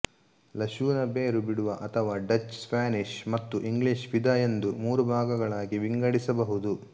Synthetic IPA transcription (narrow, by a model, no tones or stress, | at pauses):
lɐʃuːnɐbeːɾubiɽuʋɐʔɐt̪ʰɐʋaːɖɐt͡ʃːspaːniʃmɐt̪ːuʔiŋɡɭiʃʋid̪ɐjend̪umuːɾubʱaːɡɐɡɐɭaːɡiʋiŋɡɐɽisɐbɐɦud̪u